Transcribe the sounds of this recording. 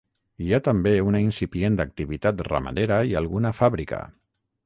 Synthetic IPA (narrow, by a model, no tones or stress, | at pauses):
iat̪əmbeunainsipjend̪ak̚t̪iβit̪at̪ra̰ma̰ðeɾəialˠɣunəfaβɾikə̰